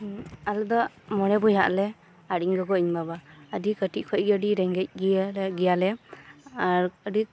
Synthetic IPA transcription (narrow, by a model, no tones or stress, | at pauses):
ald̪ɔ | mɔɽɛbujɦa̰ʔlɛ | aɽiŋɡɔɡɔʔiɲbabaədikəʈiʔ̚kʰɔc̚ɡəɖiɾɛŋɡɛc̚ɡiɡijalɛ | aɾəɖi